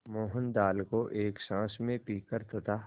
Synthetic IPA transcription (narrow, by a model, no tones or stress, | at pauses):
moːɦənd̪aːlkoʔeːkʃãːsmẽpiːkəɾt̪ʰoːt̪aː